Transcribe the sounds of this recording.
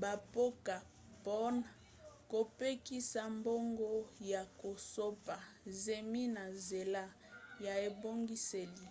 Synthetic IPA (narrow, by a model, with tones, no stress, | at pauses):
ba˨po˦ka˨ | pɔ˦n | ko˨pe˦ki˦sa˨mbo˦ŋɡo˦ja˨ko˨so˦pa˨ze˨mi˦na˨ze˨la˦ | ja˨e˨bo˦ŋɡi˦se˨li˨